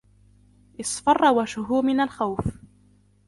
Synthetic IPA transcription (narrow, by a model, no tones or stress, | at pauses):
ʔɪsˤfɑrˤːɑwaʃʊɦʊmɪnalxawf